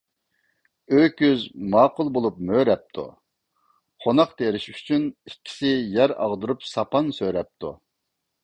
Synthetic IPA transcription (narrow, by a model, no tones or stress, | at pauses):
økʲyzmɑːqʰʊlˠbolˠup̚møɾɛp̚t̪ʰṵ | χʰonɑqt̪ʰeɾɪʃy̥t͡ʃʰynikʲʰːi̥sɪjɛɾɑ̰ʁd̪uɾupsɑpɑnsøɾɛp̚t̪ʰu